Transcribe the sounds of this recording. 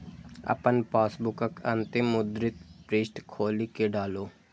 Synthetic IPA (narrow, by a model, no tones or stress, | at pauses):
ə̰pənpaːsbʊkəkənt̪emʊd̪ɾɪt̪pɾeːsʈkʰoːlikeɖaːloː